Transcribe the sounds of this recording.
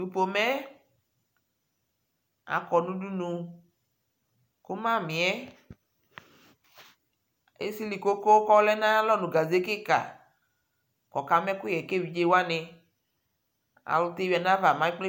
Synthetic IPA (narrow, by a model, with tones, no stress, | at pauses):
u˨po˨mɛ˦ | a̰˨kɔ˨nũ˦du˦nũ˧ | ko˦mã˦mĩ˨ɛ˦ | ḛ˦si˦li˨ko˦ko˦kɔ˦lɛ˦nã˦lɔ˦nũ˨ɡa˨ze˦ke˦ka̰˨ | kɔ˨ka˨mɛ̃˦kʊ˦jɛ˨ke˦˨wi˨d͡ʒe˦wa˦nɪ˨ | a̰˨lʊ˨t̪e˦wi˨˦a˨nã˦va˨mã˦i˦k͡ple˦